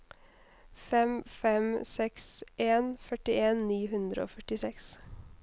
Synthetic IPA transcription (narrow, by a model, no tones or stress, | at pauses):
fɛmfɛmsɛksʔeːnfœʈɪeːnniːhʉnd̪ɾə̰o̰ːfœʈɪsɛks